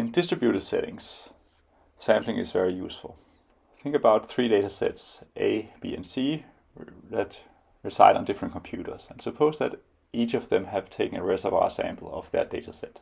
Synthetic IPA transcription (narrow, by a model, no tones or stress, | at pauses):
ɨ̃ndɪstɹ̥ɨbjuɾɨd̥sɛ̰ɾɪ̰̃ŋs | sæ̃mplɪ̃ŋɨ̰zvɛɹijusfəl̩ˠ | θɪ̃ŋkɨbaʊt̪̚θɹiɾeɪɾəsɛ̰tsʔeɪb̥ḭɛ̰̃nsi | ðæt | ɹɨsaɪɾn̩dɪfɹə̃ntkʰm̩pʰj̥uːɾə˞z̥ɨ̃nsəpʰoʊzðɨɾ | ʔit͡ʃʌvðɨ̃mɨv̥tʰeɪknɨɹɛsʌva̰ʊsæ̰̃mpʰl̩ˠʌ̰vðɨ̰t̚d̥eɪɾəsɛt̚